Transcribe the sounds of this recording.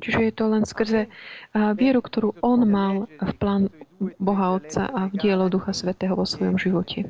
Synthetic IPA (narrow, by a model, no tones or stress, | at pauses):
t͡ʃiʒɛjɛt̪ɔlɛnskr̩zɛ | ʋɪɛɾukt̪ɔɾuːɔnmalfplaːnbɔɦaɔt̪t͡sa̰ʔavɟɪɛlɔd̪uxasʋɛt̪ɛːɦɔʋɔsʋɔjɔmʒiʋɔcʰɛ